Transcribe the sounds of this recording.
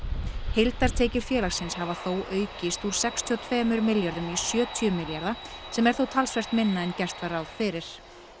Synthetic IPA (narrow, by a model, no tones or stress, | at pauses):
hejlt̪aɾ̥t̪ʰeːcɪɾ̥fjɛːlasɪnshavaθowœːɥcɪst̪uɾ̥sɛkst̪ʰiɔt̪ʰvɛːmʏɾmɪljaɾðʏmisjœːt̪ʰiʏmɪljaɾðasɛmɛɾ̥θowt̪ʰalsvɛr̥t̪mɪnːaɛncɛr̥t̪vaɾawð̥fɪːɾɪɾ̥